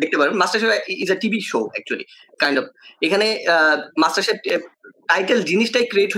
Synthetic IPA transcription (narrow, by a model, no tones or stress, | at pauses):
d̪ek̚t̪epaɾenmasʈɐɾʃepizəʈibiʃoːɛk̚t͡ɕuəlḭ | kãjɳɖɔfekʰanemasʈɐɾʃep̚ʈajʈeld͡ʑiniʃʈajkɾieʈɦo